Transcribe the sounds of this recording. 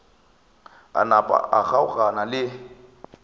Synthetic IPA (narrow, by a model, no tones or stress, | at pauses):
a̰napʼa̰ʔaɣaʊɣanalɪ